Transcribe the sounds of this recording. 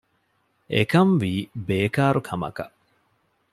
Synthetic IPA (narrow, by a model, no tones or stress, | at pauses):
ʔekɐmʋiːbeːkaːɾukʰɐmɐ̰kɐ